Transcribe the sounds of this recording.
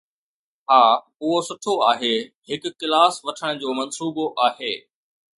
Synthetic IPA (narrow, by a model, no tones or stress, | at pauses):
haː | ʊɦosʊʈʰoaːɦeː | hɪkʊ̆ːɪlaːsʋɐʈʰəɽ̃d͡ʑoːmɐnsuːboʔaːɦeː